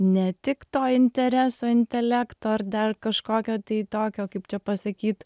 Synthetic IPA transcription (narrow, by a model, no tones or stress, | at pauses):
nʲɛt̪ʲɪkt̪oːɪnʲt̪ʲɛɾʲæːsoːɪnʲt̪ʲɛlʲæːkt̪oːɐrd̪ɐrkɐʃkoːkʲoːt̪ɐɪt̪oːkʲoːkɐɪp̚t͡ʃʲɛpɐsɐkʲiːt̪